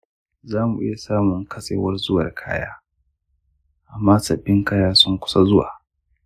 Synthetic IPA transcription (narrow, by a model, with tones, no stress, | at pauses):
zaː˦mu˨ʔɪ˦ja˨saː˦mʊ˨ŋkʰɐ˦sʼḛː˨˦wɐ˦rzʊ˦wɐ˨rkʰa̰ː˦ja̰ː˦ | ʔa˨mːaː˦sɐ˨bːɪ˦ŋkaː˦jaː˦sʊ˦ŋkʷʊ̥˦sa˦zʊ˦wa̰ː˨